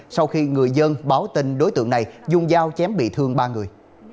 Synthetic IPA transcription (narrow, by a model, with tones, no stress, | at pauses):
sa˧wxi˧ŋɨ˨˩əjzə˧nɓaː˨˦wt̪i˧ŋɗo˨˦jt̪ɨ̰˧˨əŋna˨˩jzʊ˧ŋ͡mzaː˧wt͡ɕɛ˨˦mɓḭ˧˨t̪ʰɨ˧əŋɓaː˧ŋɨ˨˩əj